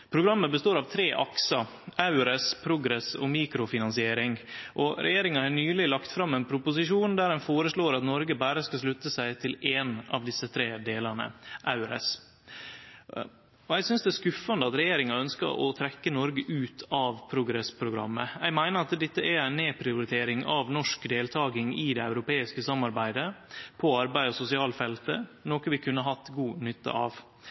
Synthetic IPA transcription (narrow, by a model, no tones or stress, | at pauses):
pʰɾʊɡɾɑmːəbəst̪oːɾɑʋt̪ʰɾeːʔɑksɑ | ʔɑʉɾɛspʰɾʊɡɾɛsɔmiːkɾʊfɪnɑnsɪeːɾɪŋʔɔɾʔɛ̰jeːɾɪŋɑhɑnyːlɪlɑkt̪fɾɑmːɛɪnpʰɾʊpʊsɪʂuːnd̪æɾɛnfoːɾəʂɭoːɾɑt̪nɔɾɡəbæːɾəskɑslʉt̪ːəsæɪt̪ʰɪleːnɑ̰ʋd̪ɪsːət̪ʰɾeːd̪eːlɑnə̰ʔɑʉɾɛ̰s | ɔæɪsʏnsd̪ɛːskʉfːɑnd̪əɑt̪ɾɛjeːɾɪŋɑœnskə̰ɾʔɔ̰t̪ʰɾɛkːənɔɾɡəʔʉːt̪ʰɑʋpʰɾʊɡɾɛspʰɾʊɡɾɑ̰mːəjæɪmæɪnəɾɑt̪d̪ɛt̪ːəʔæɾæɪnːeːpʰɾɪʊɾɪt̪ʰeːɾɪŋɑʋnɔʂkd̪eːlt̪ʰɑːɡɪŋɪd̪ɛæʉɾʊpeːɪskəsɑmːɑɾbæɪd̪əpʰɔɑɾbæɪɔsʊsɪɑːlfɛlt̪ənoːkəʋɪkʰʉnːəɦɑt̪ːɡuːnʏt̪ːə̰ʔɑ̰ʋ